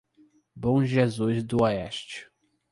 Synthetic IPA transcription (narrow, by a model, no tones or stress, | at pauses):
bõʒezuzd̪ʊɔɛʃt͡ʃɪ̥